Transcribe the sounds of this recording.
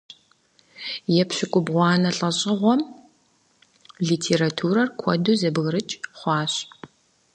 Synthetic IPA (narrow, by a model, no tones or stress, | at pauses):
jɛpɕʊkʷʼʊbʁʷɑːnɐɬʼɐɕʼɪʁʷɔm | ɮiːtʰeːɾatʰuːɾɐrkʷʰɔ̰duːzɐbɣɾɨt͡ʃʼχʷɑːɕʼ